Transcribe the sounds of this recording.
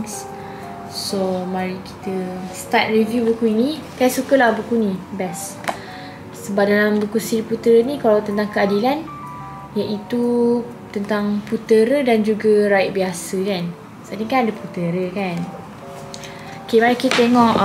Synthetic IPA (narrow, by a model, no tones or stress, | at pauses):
s | somaɾiki̥t̪əst̪at̪̚rivjubukuinikajsukəlahbukunĩbɛs | əbap̚dalambəkusidiput̪əɾənĩkalawt̪ənt̪̬aŋkəadilan | jaʔit̪u | t̪ənt̪aŋput̪əɾədand͡ʒuɡəɾaɪʔ̚biasəkan | sadiŋkanadəput̪əɾəkan | okemaɾikit̪ət̪eŋɔʔ